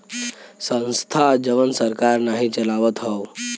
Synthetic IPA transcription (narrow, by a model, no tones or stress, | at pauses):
sə̃nst̪ʰad͡ʒəʋənsəɾkaɾnaɦĩt͡ʃəlaʋət̪ɦɔo